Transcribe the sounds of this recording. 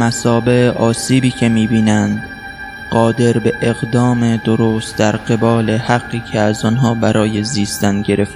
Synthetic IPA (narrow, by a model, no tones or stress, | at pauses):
mæsɒːbe̞ʔɒːsiːbiːcʰe̞miːbiːnænd̪ | ɢ̥ɒːd̪e̞ɾbe̞ʔeɣd̪ɒːmed̪oɾost̪̚d̪æɾɢe̞bɒːle̞hæɡːiːcʰeæzɒnɦɒːbæɾʔɒːje̞ziːst̪ænɟe̞ɾe̞ft̪